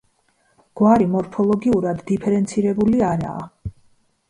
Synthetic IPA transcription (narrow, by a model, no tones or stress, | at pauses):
ɡ̥waɾimɔɾpʰɔlˠɔɡiuɾad̪ːipʰɛɾɛnt̪sʰiɾɛbuliaɾa̰ː